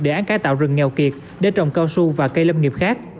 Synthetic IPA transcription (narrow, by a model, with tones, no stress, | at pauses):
ɗe˧˩ʔaː˨˦nkaː˨˦jt̪a̰ː˧˨wzɨ˨˩ŋŋɛ˨˩wki˨˩ət̚ | ɗe˧˦t͡ɕɔ̰˧˨ŋ͡mkaː˧wsu˧vaː˨˩kə˧jlə˧mŋi˨˩əp̚xaː˦˥k̚